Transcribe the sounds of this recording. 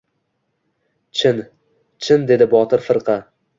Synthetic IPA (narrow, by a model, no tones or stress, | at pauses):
t͡ʃʰɪn | t͡ʃʰɪnd̪e̞d̪ɪbɒt̪ʰɪɾfɨɾqʰɑ